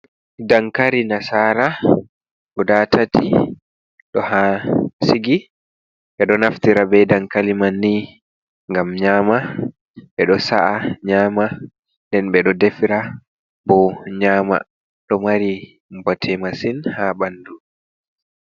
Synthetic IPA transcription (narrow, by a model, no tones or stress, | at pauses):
daŋkaɾinasaːɾa | ɗɔdatʰati | ɗɔhasiɡi | ɓɛɗɔnaftiɾabɛdaŋkalimanːi | ŋɡamɲaːma | ɓɛɗɔsa̰ʔaɲaːma | ndɛnɓɛɗɔdefiɾa | bɔɲaːma̰ | ɗɔmaɾi | mbɔtʰɛmasinhaɓandu